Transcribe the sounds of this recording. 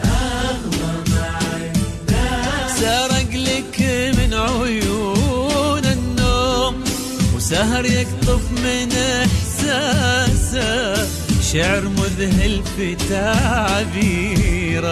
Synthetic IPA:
sɑːɾˤɑɡlɪkmɪnʕʊju | nɪnːoːm | wsaɦɑɾjɪkt̪ˤʊfmɪnħsaːsa | ʃaʕɾmʊðɦɪlfɪt̪aːʕabiːɾa

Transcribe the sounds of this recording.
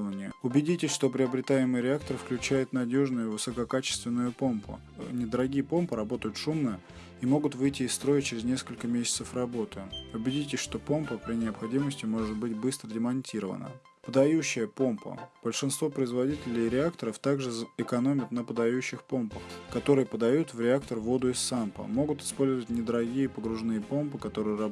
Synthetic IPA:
vənʲɪjəʊbʲɪdʲitʲɪʂt̪o̞pɾʲɪɐbɾʲɪt̪ajɪmɨjɾʲɪakt̪əɾɨfklʲʉt͡ɕæjɪt̪nɐdʲo̞ʐnʊjʊvɨsəkɐkat͡ɕɪ̥st̪vʲɪnːʊjʊpo̞mpʰʊ̰ | nʲɪd̪əɾɐɡʲijəpo̞mpəɾɐbo̞t̪əjʊt̪ʂumnəjə | imo̞ɡʊt̪vɨjtʲɪːst̪ɾo̞jɪt͡ɕɪɾʲɪznʲe̞skəlʲkəmʲesʲɪ̥t̪səfrɐbo̞t̪ɨʊbʲɪdʲitʲɪʂt̪o̞po̞mpəpɾʲɪnʲɪɐpxɐdʲiməsʲtʲɪmo̞ʐɨt̪̚bɨtʲbɨst̪ɾədʲɪmɐnʲtʲiɾəvə̰nə̰ | pəd̪ɐjuɕːɪjəpo̞mpʰə̰b̥əlʲʂɨnst̪vopɾəɪzvɐdʲitʲɪlʲɪjɾʲɪakt̪əɾəft̪aɡʐɨɪkɐno̞mʲɪt̪nəpəd̪ɐjʉɕːɪxpo̞mpəxkɐt̪o̞ɾɨjəpəd̪ɐjut̪vɾʲɪak̚t̪ərvo̞d̪ʊɪsːampə̰mo̞ɡʊt̪ɪ̥spo̞lʲzəvətʲnʲɪd̪əɾɐɡʲijəpəɡɾʊʐnɨjəpo̞mpɨkɐt̪o̞ɾɨjəɾɐ

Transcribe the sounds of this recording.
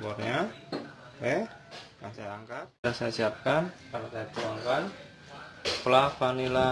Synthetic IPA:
pɔrɲa | wɛ | kaŋsajaŋkat̪̚asasiap̚kankanat̪ait̪uwaŋkan | plafanila

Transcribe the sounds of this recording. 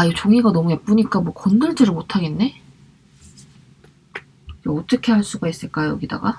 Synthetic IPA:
ait͡ɕoŋiɡanʌmue̞p̚p͈uɲik͈amwʌkʌndɯɭd͡ʑiɾɯɭmotʰaɡe̞nːe̞ | jaɔt͈ʌkʰe̞ɦaɭs͈uɡais͈ɯɭk͈ajojʌ̰ɡida̰ɡa

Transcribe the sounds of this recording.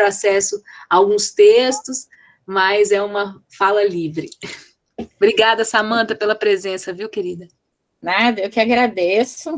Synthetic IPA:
ɾasɛsʊɐawɡũst̪est̪ʊs | mɐzɛũmɐ | falɐlivɾɪ | bɾiɡad̪ɐsamɐ̃t̪ɐpelɐpɾezẽsɐviwkeɾid̪ɐ | nad̪ɐewkɪaɡɾad̪esʊ

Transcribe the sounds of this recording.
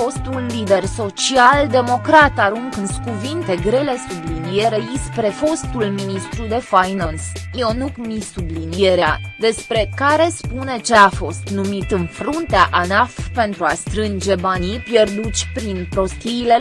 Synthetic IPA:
fo̞st̪ulːid̪e̞rso̞t͡ʃiald̪e̞mo̞kɾat̪aɾuŋkɨnskuvint̪e̞ɡɾe̞le̞sublinije̞ɾe̞jispɾe̞fo̞st̪ulminist̪ɾud̪e̞fajnansionukmisublinijeɾead̪e̞spɾe̞kaɾe̞spune̞t͡ʃe̞afo̞st̪numit̪ɨnfɾunt̪eaʔanafpe̞nt̪ɾuast̪ɾɨnd͡ʒe̞banipje̞rd̪usʲpɾinpɾo̞st̪iːle̞

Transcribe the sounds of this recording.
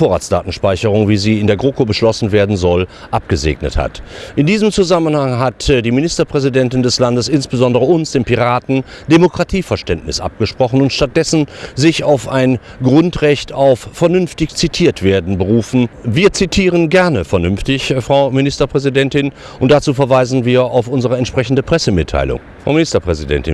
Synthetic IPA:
foːɐʁa̰ːtsd̥a̰ːtn̩ʃpaɪçəʁ̞ʊŋviːziːɪndeːɐɡʁoːkobəʃlɔsn̩veːɐdn̩zɔlʔap̚ɡ̥əzḛːɡnə̰tha̰tʔɪndiːzəmt͡suzamənhaŋɦatdiːmɪnɪstɐpʁ̥ɛzidɛntɪndɛslandəsʔɪnsb̥əzɔndəʁ̞əʊnsd̥eːmpiʁaːtn̩d̥emokʁ̥atʰiːfɛɐʃtɛntnɪsʔa̰p̚ɡ̥əʃpʁ̥ɔχn̩ʊntʃtat̚d̥ɛsn̩zɪçaʊfaɪn | ɡʁʊntʁɛçtʰaʊffɛɐnʏnftɪçt͡sitʰiːɐtv̥eːɐdn̩bəʁuːfn̩viːɐt͡sitʰiːʁ̞ənɡɛɐnəfɛɐnʏmftɪçfʁ̥aʊmɪnɪstɐpʁ̥ɛzidɛntɪn | ʔʊnt̚d̥at͡suːfɛɐvaɪzn̩viːɐʔaʊfʊnzəʁəɛntʃpʁ̥ɛçn̩dəpʁ̥ɛsəmɪtʰːa̰ɪlʊ̰ŋ | fʁ̥a̰ʊmɪnɪstɐpʁ̥ɛzidɛ̰ntɪ̰n

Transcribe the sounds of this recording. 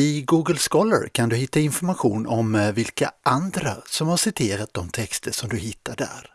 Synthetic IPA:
ɪɡuːɡəlskɔlə̰ɾkʰand̪ɵhɪt̪ʰːaɪnfɔɾmaɧuːnɔmvɪlkaʔand̪ɾasɔmhaʂɪt̪ʰeːɾat̪̚d̪ɔmt̪ʰɛkst̪ʰəʂɔmd̪ɵhɪt̪ʰːaɖæ̰ɾ

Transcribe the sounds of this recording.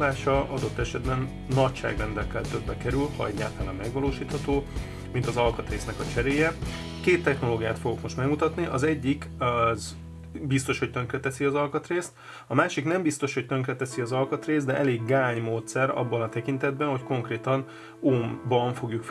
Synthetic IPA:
laːʃɒʔɒd̪o̞t̪ːɛʃɛd̪bɛnː | ɒcʃa̰ːɡrɛnd̪ɛlkɛlt̪ø̞bːɛkɛɾylhɒ̰ɛ̰ɟːa̰ːlt̪aːnɒmmɛɡvɒloːʃiːt̪hɒt̪oː | mint̪ɒzɒlkɒt̪reːsnɛkɒt͡ʃɛɾeːjɛkeːt̪ːɛxno̞loːɡijaːt̪foɡo̞kmo̞ʃt̪mɛɡmut̪ɒt̪niʔɒzɛɟːikz | bist̪o̞ʃhoct̪ø̞ŋkrɛt̪ɛsiɒzɒlkɒt̪reːst̪ | ɒmaːʃiknɛmbist̪o̞ʃho̞c̚t̪ø̞ŋkrɛt̪ɛsiɒzɒlkɒt̪reːzd̪ɛʔɛleːɡːaːɲmoːt̪sɛɾɒ̰bːɒnɒt̪ɛkint̪ɛd̪̚bɛnho̞cko̞ŋkreːt̪ɒn | oːmbɒɱfo̞ɡjukf

